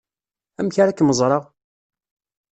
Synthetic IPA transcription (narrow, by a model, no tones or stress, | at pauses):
æmçaɾakːməzˤɾˤɑʁ